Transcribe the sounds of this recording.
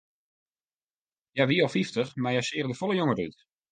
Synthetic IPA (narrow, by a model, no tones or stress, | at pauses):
jaʋiɔfiftəχmajasɪːrdəfɔlˠəjoŋəryt